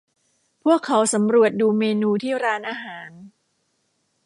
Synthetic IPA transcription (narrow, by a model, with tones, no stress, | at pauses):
pʰu˥˩əkʰːa˩˦wsa˩˦mɾu˨˩ət̪̚duː˧meː˧nuː˧t̪ʰiː˥˩ɾaː˧nʔaː˧ɦaː˩˦n